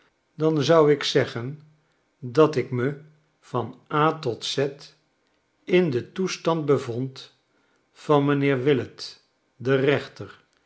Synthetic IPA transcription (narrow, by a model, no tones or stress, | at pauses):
dɑnzʌwɪksɛχən | dɑtɪkmə | v̥ɑnaːtɔtsɛt | ɪndətustɑnd̚bəvɔnt | fɑnmənɪːɹʋɪlət | dərɛχtəɹ